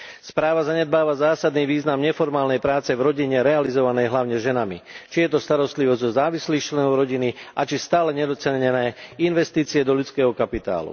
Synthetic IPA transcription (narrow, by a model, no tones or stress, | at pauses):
spɾaːʋazaɲɛd̪̚baːʋazaːsad̪niːʋiːznamɲɛfɔɾmaːlnɛjpɾaːt͡sɛvɾɔɟiɲɛɾɛalizɔʋanɛjɦlaʊɲɛʒɛnamit͡ʃijɛt̪ɔst̪aɾɔst̪liʋɔzɟzɔzaːʋisliːxt͡ʃlɛnɔʊɾɔɟiniat͡ʃist̪aːlɛɲɛd̪ɔt͡sɛɲɛnɛːinʋɛst̪iːt͡siɛd̪ɔʎut͡skɛːɦɔkapit̪a̰ːlṵ